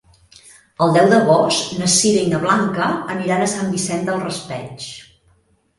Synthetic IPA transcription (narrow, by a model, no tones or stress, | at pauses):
əlˠd̪ɛwðəβɔsnəsiɾəinəβlaŋkəːniɾanəsambisɛnd̪əlˠrəspɛ̰t͡ʃ